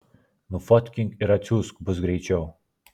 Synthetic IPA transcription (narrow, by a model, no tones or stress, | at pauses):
nufɔt̪ʲkʲɪŋkɪɾɐsʲuːskbʊs̬ɡɾʲɛɪt͡ʃʲɛʊ